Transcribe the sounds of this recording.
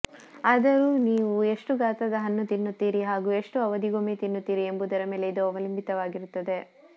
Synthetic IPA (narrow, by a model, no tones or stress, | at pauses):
aːd̪ɐɾuːniːʋue̞ʂʈuɡaːt̪ɐd̪ɐɦɐnːut̪inːut̪ːiːɾiɦaːɡuːe̞ʂʈuɐʋɐd̪iɡomet̪inːut̪ːiːɾie̞mbud̪ɐɾɐme̞ːleid̪uɐʋɐlimbit̪ɐʋaːɡiɾut̪ːɐd̪e̞